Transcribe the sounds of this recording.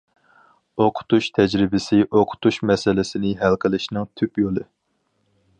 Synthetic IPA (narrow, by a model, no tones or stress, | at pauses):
oqʰʊ̥t̪uʃt̪ʰɛd͡ʒɾɪbɪsɪʔoqʰʊ̥t̪uʃmɛsɪlɪsɪnɪɦælqʰəlɪʃnɨŋt̪ʰypjolˠɨ